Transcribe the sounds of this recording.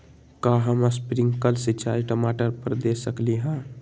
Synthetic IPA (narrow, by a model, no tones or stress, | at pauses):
kaɦəmaspɾiŋɡkəlsit͡ʃʰaiʈəmaʈəɾpəɾd̪esəkliɦã